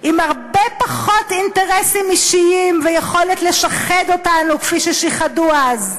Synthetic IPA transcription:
ʔimhaʁbepaχo̞tinteʁesimiʃiimvejeχo̞letle̞ʃaχedo̞tanukfiʃeʃiχaduaz

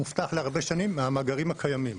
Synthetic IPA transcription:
muft̪aχleaʁbe̞ʃanimːeamaɡaʁimakʰajamim

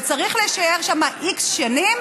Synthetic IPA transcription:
t͡saʁiχleʃaeʁʃamaʔiksʃanim

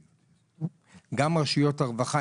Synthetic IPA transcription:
ɡamʁaʃijo̞taʁvaχa

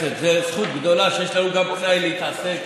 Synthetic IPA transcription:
ɛzɛsχut̪̚bd̪ɔlaʃɛʃlɛɾuɡapʼnailit̪ʰasɛ

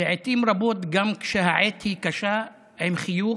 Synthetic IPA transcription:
ɪʕet̪iːmɾˤɑboːt̪ɡamkʃahaʕeːt̪hikaʃaː | ʔemxɪjuː

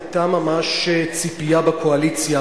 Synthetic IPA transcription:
t̪amamaʃet͡sipijabakʰoalit͡sja

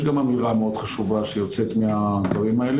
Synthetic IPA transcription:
ɡamamiʁameod̪̥χaʃuvaʃɛjɔt̪sʰɛt̪ʰmɛaːbavimaɛlɛ

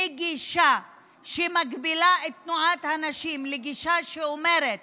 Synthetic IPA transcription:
ɡiʃa | ʃemaɡbilaet̪ːnuʕat̪hanaʃimleɡiʃaʃeome̞ɾet̪̚

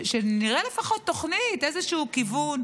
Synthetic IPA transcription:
ʃeniʁelefaχo̞tt̪ːo̞χnitezeʃuːkivun

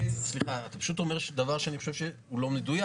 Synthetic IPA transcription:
sliχaat̪ḁpḁʃut̪o̞meʁʃd̪avaʁʃeaniχoʃevʃe | ulo̞med̪uja

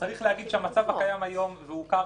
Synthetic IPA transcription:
t͡saʁiχlehaɡid̪ʃeamat͡savhakajamajo̞mveuka

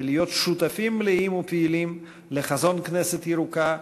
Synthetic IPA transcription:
lijo̞t̪ʃut̪afimliimupeilim | leχazo̞nknɛset̪jiɾuka

